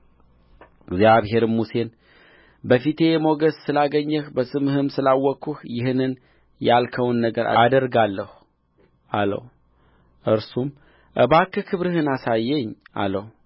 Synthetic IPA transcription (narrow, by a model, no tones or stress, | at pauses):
ɡzjaβɦe̞ɾɨmmuse̞n | bəfit̪ʰe̞jɛmo̞ɡəssɨlaɡəɲːəhbəsʼɨmhɨmsɨlawɔkʰːuhjɪhɨnɨn | jalkʰəwnːəɡəɾa̰d̪əɾɡalːəhu | ʔalə̰h | ʔɨɾsum | ʔəβakːɨkʰɨβɾɨɦɨnasajːɛɲːa̰ləh